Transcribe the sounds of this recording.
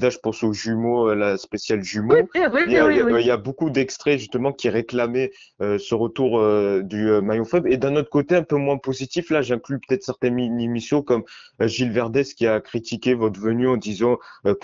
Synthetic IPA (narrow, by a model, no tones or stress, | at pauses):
d̪aʒəpɑ̃soʒymoølaspesjalʒymoaailjabokud̪ɛkst̪χɛʒyst̪əmɑ̃kʲiʁeklamɛ | øsəʁət̪uʁød̪yømajɔ̃fɛbʁed̪ɛ̃nɔt̪χə̥kot̪eɛ̃pømwɛ̃pozit̪iflaʒɛ̃klypø̥t̪ɛt̪χsɛʁt̪ɛinimisjɔ̃kɔmʒilvɛʁd̪ɛskʲiakχit̪ikʲevɔt̪χvənyɑ̃d̪izɑ̃ø